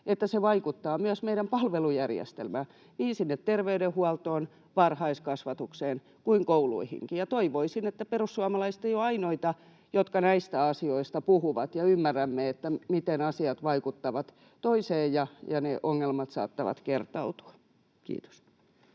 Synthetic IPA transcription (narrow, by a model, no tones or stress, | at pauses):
et̪ːæseʋɑikut̪ːɑːmyæsmeiɾæmpɑlʋelujærjḛst̪ḛlmæ | niːnsinːet̪t̪erʋeydehuɑlt̪oːn | ʋɑrhɑiskɑsʋɑt̪ukseːn | kuiŋkoulṵihḭŋkijɑt̪oiʋoisinet̪ːæperusːuɑmɑlɑist̪ejoɑinoit̪ɑ | jot̪kɑnæist̪æɑsioist̪ɑpuhuʋɑt̪jɑymːærːæmːeet̪ːæmit̪enɑsiɑt̪ʋɑikut̪ːɑʋɑt̪ | t̪oiseːjjɑjɑneʔoŋːelmɑt̪sɑ̰ːt̪ːɑ̰ʋɑ̰t̪kert̪ɑut̪u̥ɑ̥ | kḭːt̪o̥s